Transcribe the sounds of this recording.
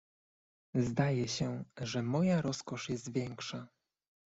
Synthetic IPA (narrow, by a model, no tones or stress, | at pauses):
zd̪ajɛɕɛʐɛmɔjaɾɔskɔʂjɛst̪vʲjɛŋkʂa